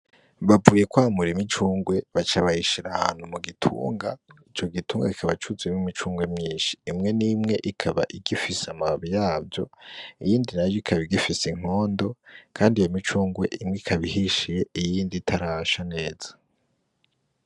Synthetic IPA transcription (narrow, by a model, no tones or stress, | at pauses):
βavuːje̞kwamuɾimit͡ʃuːŋɡwe̞βat͡ʃaβahiʃiɾaha̰ːn̥humuɡitʰṵːŋɡait͡ʃo̞ɡituːŋɡakikʰaβat͡ʃuzwemwimit͡ʃuːŋɡwe̞mɲiːnʃi̥ːmŋe̞nimŋe̞ʔikʰaβa̰ʔiɡifisamaβijaːbjo̞̰ijiːndinaɾjoikʰaβiɡifisiŋ̥o̞ːndo̞kʰaːndijomit͡ʃuːŋɡwe̞̰ʔimŋeikʰaβihiʃije̞ijiːnditʰaɾaʃane̞ːz̥ḁ